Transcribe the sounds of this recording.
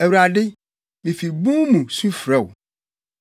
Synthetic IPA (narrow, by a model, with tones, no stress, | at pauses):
æ˨wu˨ɾa˨dɪ˦ | mĩ˨fi˨bũ˦mũ˨su˦fɾɛ˦˨wʊ˨